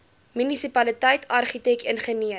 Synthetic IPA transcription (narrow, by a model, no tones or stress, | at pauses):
mynisipɐlitɐjtʰɐrχitɛkənχəniə